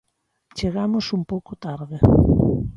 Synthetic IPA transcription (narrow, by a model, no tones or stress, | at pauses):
t͡ʃeɣamosumpowkot̪aɾðe